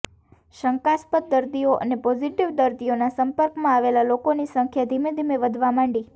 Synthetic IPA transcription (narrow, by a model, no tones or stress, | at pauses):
ʃəŋkaspət̪̚d̪əɾd̪ioʔə̰nepɔd͡ʒiʈiʋd̪əɾd̪ijonasəmpəɾkmãaʋelalokonisə̃ŋkʰjad̪ʱimẽd̪ʱimeʋəd̪ʱʋamãɳɖi